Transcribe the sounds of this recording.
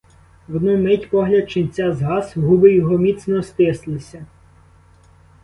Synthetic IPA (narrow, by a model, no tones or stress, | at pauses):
ʋɔd̪nɔmɪtʲpɔɦlʲɐd̪̚t͡ʃɪnʲt͡sʲɑzɦɑsɦubɪjɔɦɔmʲit̪snɔst̪ɪslˠɪsʲɐ